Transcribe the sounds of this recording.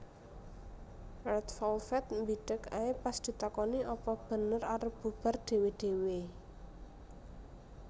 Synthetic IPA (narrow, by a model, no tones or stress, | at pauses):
ɛt̪fɔlfɛt̪̚mbiɖ̥əka̰epasd̪̥i̤t̪akɔniʔɔpɔb̥ə̤nəraɾəb̥ṳb̥a̤rɖ̪̥e̤weɖ̪̥e̤we